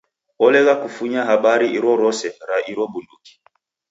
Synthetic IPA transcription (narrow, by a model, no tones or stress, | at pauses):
ɔlɛɣakufuɲaɦaɓaɾiiɾɔɾɔsɛɾaʔiɾɔɓunduki̥